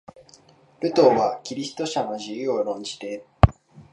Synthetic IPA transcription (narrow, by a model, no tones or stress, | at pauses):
ɾɯ̟t̪o̞ːβakʲiɾʲist̪o̞ɕano̞ʑijɯ̟oɾõ̞ɲ̟d͡ʑi̥t̪e̞